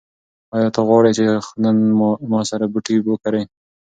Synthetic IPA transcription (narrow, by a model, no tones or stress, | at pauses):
ɑjɑt̪aɣwɑɽet͡ʃexnanmɑsaɾabuʈibəkaɾej